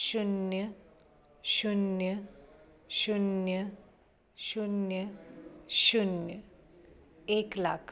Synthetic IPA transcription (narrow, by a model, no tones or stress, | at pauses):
ʃunjə | ʃunjə | ʃunjə | ʃunjə | ʃunjə | eklakʰ